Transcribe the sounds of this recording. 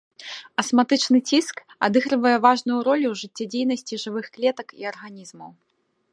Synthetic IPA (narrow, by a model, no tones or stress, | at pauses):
ɐsmat̪ɨt͡ʂnɨt͡sʲisk | ad̪ɨɣɾɨvɐjɛvaʐnujuɾɔlʲuwʐɨt͡sʲːɛd͡zʲejn̪ɐsʲt͡sʲiʐɨvɨxklʲɛt̪ɐkḭɐrɣanʲizmɐw